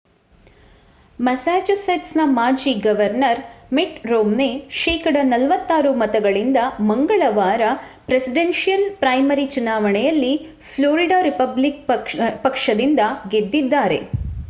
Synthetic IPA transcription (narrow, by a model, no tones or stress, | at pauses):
mɐsaːd͡ʒɐsɐʈsnɐmaːd͡ʒiɡɐʋɐɾnɐɾmeʈɾoːmneʃɛːkɐɽɐnɐlʋɐt̪ːaːɾumɐt̪ɐɡɐɭind̪ɐmɐŋɡɐɭɐʋaːɾɐpɾesiɖenʂijɐlpɾɐjmɐɾit͡ʃunaːʋɐɳɛjɐlːi | pʰloːɾiɖaːɾipɐblik̚pɐkʂɐd̪ind̪ɐɡed̪ːid̪ːaːɾe̞̰